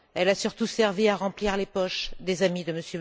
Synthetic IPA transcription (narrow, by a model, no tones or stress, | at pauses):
ɛlasyʁt̪usɛʁviaʁɑ̃pliʁlepɔʃd̪ezamid̪əməsjø